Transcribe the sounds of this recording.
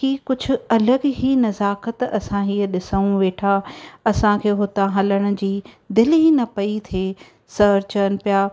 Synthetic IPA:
kikʊd͡ʑʱʊ̆ɐləɡɦinɐzaːkət̪ɐ̰sãɦiːəɗɪsəũʋeːʈʰaɐsãkʰeːɦʊt̪aɦɐləɽ̃ʊ̆d͡ʑiː | d̪ɪlɦinɐpɐit̪ʰeː | sɐɾt͡ɕən̆pijaː

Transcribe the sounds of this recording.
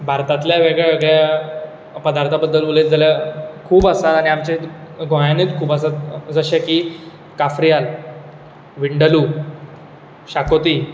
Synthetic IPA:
bʱaɾt̪at̪ljaʋeɡɭeəɡɭja | pəd̪aɾt̪ʰabəd̪ːəlʋuled͡zaljakʰuːbəsat̪aɽ̃iamt͡ɕeɡʱojaneːt͡s̪kʰuːbəsat̪̚d͡zəɕaki | kafɾijal | ʋiɳɖəlu | ɕakot̪iː

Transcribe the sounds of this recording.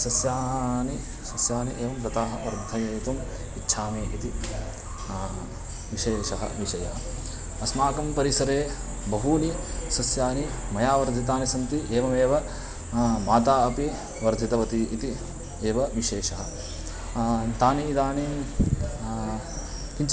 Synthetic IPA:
sɐsjaːɦni | sɐsjaːniʔeːʋɐmpɾɐt̪aːɦɐʋɐɾd̪ʱɐjɐt̪um | itːʃʰaːmeːit̪i | ʋiʃeːʃɐɦɐ̰ʋiʃɐjaːɐ | ɐsmaːkɐmpɐɾisɐɾeː | bɐɦuːnisɐsjaːni | mɐjaːʋɐɾd̪ʱit̪aːnisɐmt̪iʔeːʋɐmeːʋɐ | maːt̪aːɐpi | ʋɐɾd̪ʱit̪ɐʋɐt̪iʔit̪i | eːʋɐʋiʃeːʃɐɦɐ̆ | t̪aːniːd̪aːni | kint͡ʃ

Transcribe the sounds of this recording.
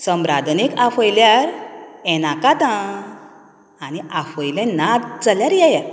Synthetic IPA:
səmɾad̪ʱnekafɔjljaɾɛnakat̪ã | aniʔafɔjlãnad̪d͡zaljaɾjaja

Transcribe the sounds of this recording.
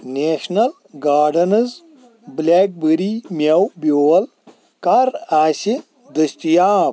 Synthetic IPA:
neːʂnɐl | ɡaːɖɐnɐz | bleːk̚bɨɾiːmʲɐwbjoːwɐl | kɐɾaːsi | d̪ɐst̪ijaː

